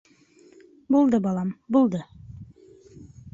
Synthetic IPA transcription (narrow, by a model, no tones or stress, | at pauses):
bulˠd̪ɤbɑlˠɑmbulˠd̪ɤ